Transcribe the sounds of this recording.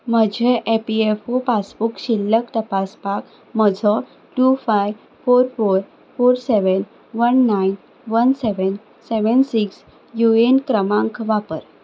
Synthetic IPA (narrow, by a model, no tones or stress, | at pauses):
m̤əd͡ʑʱeʔepiefopasbukɕilːəkt̪əpaspak | məd͡zʱɔ | ʈufajʋ | foɾfoɾ | foɾseʋən | ʋənːajn | ʋənseʋən | seʋənsiks | juenkɾəmãŋkʰʋapəɾ